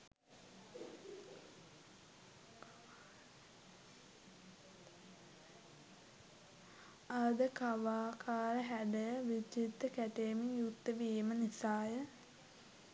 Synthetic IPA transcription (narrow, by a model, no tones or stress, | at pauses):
ad̪əkaʋaːkʰaːɾəɦæɖəʋid͡ʒit̪ːəkæʈeːmijut̪ːəʋiːmənisaːjə